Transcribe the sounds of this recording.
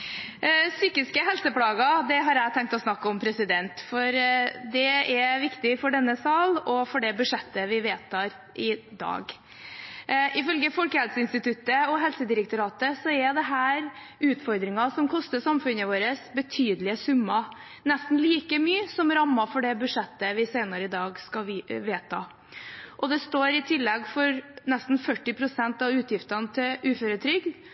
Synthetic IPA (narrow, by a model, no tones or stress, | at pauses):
syːkɪskəɦɛlsəpʰlɑːɡɑd̪ɛɦɑɾæɪt̪ʰɛŋkt̪ɔsnɑkːəɔmpʰɾɛsɪd̪ɛnt̪fɔɾd̪ɛɛʋɪkt̪ɪfɔɖɛnːəsɑlɔfɔɖɛbʉʂɛt̪ːəʋɪʋeːt̪ʰɑːɾ | ʔɪd̪ɑ̰ːɡ | ʔɪfœlɡəfɔlkəɛlsəɪnst̪ɪt̪ʰʉt̪ːəɔɦɛlsəd̪ɪɾəkt̪ʊɾɑːt̪əsɔɛɾd̪ɛɦæːɾ | ʉːt̪fɔɾd̪ɾɪŋɑsɔmkʰɔst̪əsɑmfʉnəʋoːɾəsbət̪ʰyːd̪lɪəsʉmːɑ | nɛst̪n̩liːkəmyːsɔmɾɑmːɑfɔɖɛbʉʂɛt̪ːəʋɪseɪnɑɾəɪd̪ɑːɡskɑʋeːt̪ʰɑ̰ː | ʔɔd̪ɛst̪oːɾɪt̪ʰɪlːɛɡfɔɾnɛst̪n̩fœʈːɪpʰɾʊsɛnt̪ɑʋʉːt̪jɪft̪ɑnət̪ʰɪlʉːføːɾət̪ʰɾʏɡn